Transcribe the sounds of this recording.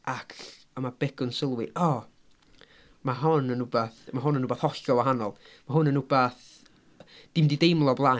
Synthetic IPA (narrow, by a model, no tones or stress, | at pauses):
akʰ | amab̥ɛɡ̥ʊnsɪlˠwɨʔɔ | maɦɔnənʊbaθmaɦʊnənʊbaθɔɬɔwaɦanɔlˠ | maɦʊnənʊbaθ | d̥ɪmdidejmlˠɔblˠa